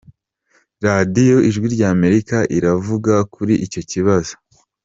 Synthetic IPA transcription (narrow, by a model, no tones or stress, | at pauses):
ɾadijo̞ʔiʒɡwiɾɟaːme̞ɾikaʔiɾavuɡakuɾiʔico̞ciβazo̥